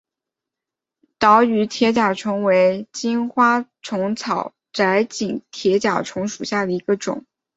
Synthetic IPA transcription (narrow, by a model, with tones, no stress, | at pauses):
t̪ɑ˧˥ʊy˧˥t̪ʰjɛ˧˥t͡ɕja˨˩ʈ͡ʂʰɤ˧˥ŋwe˧˥ɪt͡ɕi˥nxwa˥ʈ͡ʂʰʊ˧˥ŋt͡sʰɑ˨˩˦ʊ | ʈ͡ʂa˧˥ɪt͡ɕi˨˩ŋt̪ʰjɛ˧˥t͡ɕja̰˨˩ʈ͡ʂʰʊ˧˥ŋʂu˨˩ɕja˥˩d̪ə˩i˧˥ɡə˧ʈ͡ʂʊ̰˨˩˦ŋ